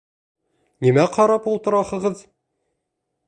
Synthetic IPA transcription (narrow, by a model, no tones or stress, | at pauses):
nimæqʰɑɾɑpulˠt̪ɤ̆ɾɑχɤ̆ʁɤð